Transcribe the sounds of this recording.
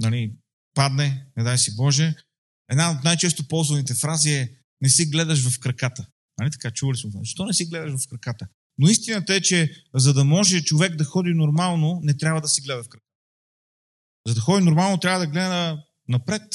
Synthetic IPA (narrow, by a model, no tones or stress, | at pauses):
nɐli | pad̪nɛnɛd̪ajsibɔʒɛ | ɛd̪naot̪najt͡ʃɛst̪opɔlˠzvɐnit̪ɛfɾaziɛ | nɛsiɡlɛd̪ɐʃvɐfkɾɐkat̪ə | nɐlit̪ɐ̥kat͡ʃuvəlismoazɐʃt̪ɔnɛsiɡlɛd̪ɐʃvɐfkɾɐkat̪ə | noist̪inɐt̪ɐɛt͡ʃɛzɐd̪ɐmɔʒɛt͡ʃovɛɡd̪ɐxɔd̪inoɾmalˠnonɛt̪ɾʲabvɐd̪ɐsiɡlɛd̪ɐfkɾɐka | zɐd̪ɐxɔd̪inoɾmalˠnot̪ɾʲavɐd̪ɐɡlɛd̪ənə | nɐpɾɛt̪